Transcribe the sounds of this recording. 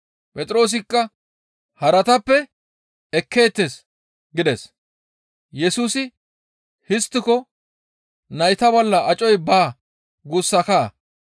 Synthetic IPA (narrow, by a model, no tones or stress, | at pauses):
pʼɛt̪ʼɾo̞ːs̬ɪkːɐ | hɐɾɐt̪ɐpːɛ | ɛkːe̞ːt̪ːes | ɡɪd̪ɛs | jɛsuːsɪ | hɪst̪ːɪkɔ | nɐjt̪ɐbɔlːɐʔɐt͡ʃʼɔjbaː | ɡusːɐkaː